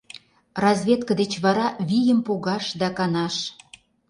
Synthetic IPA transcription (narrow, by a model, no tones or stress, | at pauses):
rɑzβʲet̪kəd̪et͡ɕβɑɾɑβʲijəmpoɣɑʃd̪ɑkɑnɑʃ